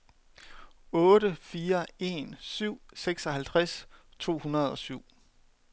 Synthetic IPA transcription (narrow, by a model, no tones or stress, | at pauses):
ɔ̽ːdəfiːɐe̝nsyʊ̰seɡ̥sɒ̽hælt͡sʰʁast͡sʰo̝̰ːhunɐð̞ˠɒ̽syʊ̰